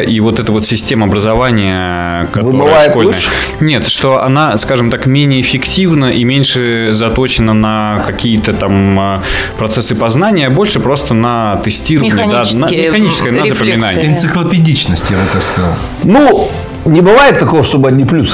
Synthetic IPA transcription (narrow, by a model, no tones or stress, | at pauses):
ʔivo̞t̪ɛt̪əvo̞t̪sʲɪsʲtʲe̞məɐbɾəzɐvanʲɪjə | kɐtɨoɨəajʂɪt̪koləjə | nʲet̪ʂt̪o̞ʔɐ̰naskaʐɨmt̪akmʲenʲɪjəɪfʲɪktʲivnəʔimʲenʲʂɨzɐt̪o̞t͡ɕɪnənəkɐkʲijət̪ət̪amə | pɾɐt̪sɛsːɨpɐznanʲɪjəbo̞lʲʂɨpɾo̞st̪ənət̪ɨsʲtʲirəvənʲɪanəmɪxɐnʲit͡ɕɪskkəjənəzəpəmʲɪnanʲɪɪnt̪sɨklˠəpʲɪdʲit͡ɕnəsʲtʲjabɨt̪akskɐza̰lˠ | nu | nʲɪbɨvajɪt̪̚t̪ːɐkovəʂt̪obɨɐdʲnʲiplʲus